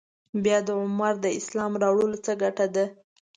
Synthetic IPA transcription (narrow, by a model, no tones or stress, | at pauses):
bjɑd̪əʕʊmaɾd̪əɪslɑmɾɑwɽolot͡səɡaʈad̪a